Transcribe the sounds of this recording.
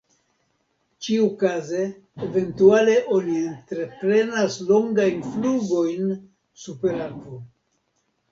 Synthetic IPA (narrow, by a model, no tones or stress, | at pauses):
t͡ʃiukaze̞ː | ve̞ntuale̞ʔo̞nientɾe̞pɾe̞naslo̞ŋɡajnfluɡo̞jn | supe̞ɾakvo